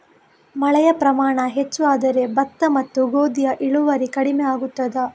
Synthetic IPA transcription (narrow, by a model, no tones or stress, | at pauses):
mɐɭɛjɐpɾɐmaːɳɐɦet͡ʃːuaːd̪ɐɾe̞bɐt̪ːɐmɐt̪ːuɡoːd̪ijɐʔiɭuʋɐɾikɐɽimɛaːɡut̪ːɐd̪ɐ